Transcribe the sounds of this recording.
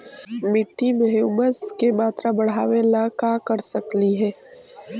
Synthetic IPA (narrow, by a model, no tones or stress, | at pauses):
mɪʈːimɛɦuməskemaːt̪ɾabɐɽ̤aːʋelakaːkəɾsɐkliɦɛː